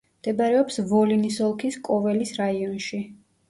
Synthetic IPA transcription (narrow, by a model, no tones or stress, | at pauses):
md̪̥ɛbɾɛɔpsvɔlinisɔlˠkʰiskʼɔvɛlisɾaiɔnʃi